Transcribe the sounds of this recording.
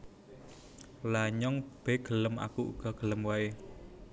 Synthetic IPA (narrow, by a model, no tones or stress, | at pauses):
laɲɔŋb̥eɡ̥ələmʔa̰kuʔṵɡ̥ɔɡ̥ələmwaj